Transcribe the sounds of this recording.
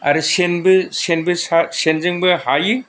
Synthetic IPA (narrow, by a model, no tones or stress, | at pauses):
aɾɯsenbɯsenbɯsasenzɯŋbɯhajɯ